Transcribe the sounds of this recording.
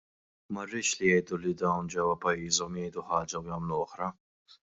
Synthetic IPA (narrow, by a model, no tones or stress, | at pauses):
mɐrːɪːʃlijɛjd̪ulid̪ɐwnd͡ʒɛwɐpɐjːiːzɔmjɛjd̪uħɐːd͡ʒɐwjɐmluɔħɾɐ